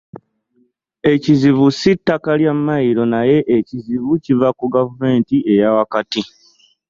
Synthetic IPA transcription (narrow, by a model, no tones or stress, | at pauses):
e̞cizivusitːakaljamːaiɾo̞naje̞ʔːciziβucivakuɡavume̞ːntie̞jawakati